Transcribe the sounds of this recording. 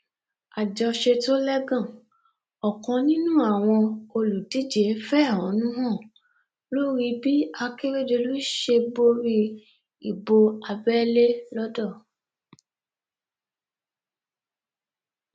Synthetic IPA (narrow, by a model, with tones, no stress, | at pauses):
a˨d͡ʒɔ˧ʃe˧to˦lɛ˦ɡã˦˨ | ɔ˨kɔ̃˧nĩ˦nũ˦a˦˨w̃ɔ̃˧o˧lu˨di˨˦d͡ʒe˨˦fɛ˦˨ɔ̃˨˦nũ˦ɦɔ̃˦˨ | lo˦ɾi˧bi˦a˧ke˦ɾe˦d͡ʒe˧lu˦ʃe˧bo˦ɾi˧ | i˨bo˧a˧bɛ˦le˦lɔ˦dɔ˦˨